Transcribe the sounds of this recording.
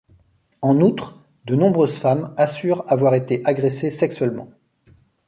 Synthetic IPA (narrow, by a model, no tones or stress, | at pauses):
ɑ̃nut̪χ | d̪ənɔ̃bʁøzfamasyʁavwaʁet̪eʔaɡʁesesɛksɥɛlmɑ̰̃